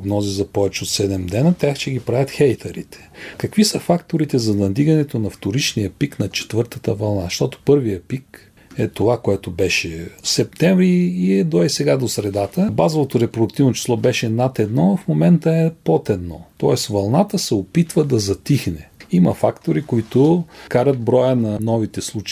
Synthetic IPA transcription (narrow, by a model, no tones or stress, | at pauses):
bnɔzizɐpɔvɛt͡ʃɛot̪sɛd̪ɛmd̪ɛnət̪ʲaxt͡ʃɛɡʲipɾavʲɐt̪xɛjt̪ʰɐɾḭt̪ɛ̥kɐkvisəfakt̪oɾit̪ɛzɐnɐd̪iɡɐnɛt̪onɐft̪oɾit͡ʃnijəpiknɐt͡ʃɛ̥t̪vɤɾt̪ət̪əvɐlˠnaʃt̪ɔt̪o̥pɤɾvijəpik | ɛt̪ovakoɛt̪obɛʃɛsɛp̚t̪ɛɱvɾiːɛd̪ɔɛsɛɡad̪osɾɛd̪at̪əbazovot̪oɾɛpɾod̪ʊk̚t̪ivnot͡ʃi̥slˠɔbɛʃɛnat̪ɛd̪nɔfmomɛnt̪əɛpot̪ɛd̪nɔ̰t̪ɔɛsvɐlˠnat̪əsɛopit̪vəd̪ɐzɐt̪ixnɛimɐfakt̪oɾikoit̪okaɾət̪̚bɾɔjənɐnɔvit̪ɛslˠut͡ʃ